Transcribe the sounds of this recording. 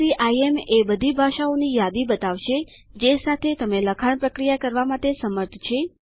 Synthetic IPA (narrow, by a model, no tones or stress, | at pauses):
iʔaiemebəd̪ʱibʱaʃaonijad̪ibət̪aʋʃe | d͡ʒesat̪ʰet̪əmeləkʰaɳpɾəkɾijakəɾʋamaʈesəməɾt̪ʰt͡ʃʰe